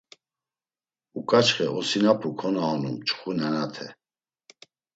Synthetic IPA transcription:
ukʼat͡ʃχɛʔɔsinapʰukʰɔnaɔnumt͡ʃʰʼχunɛnat̪ʰɛ

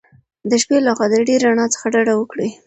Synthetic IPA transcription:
d̪əʃpelaxɑd̪aɖeɾːaɳɑt͡sə̥xaɖaɽawəkɽi

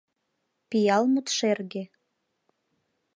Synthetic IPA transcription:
pijɑlmət̪ʃerɣe

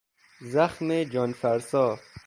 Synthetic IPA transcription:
zaxmed͡ʒɒːnfæɾsɔː

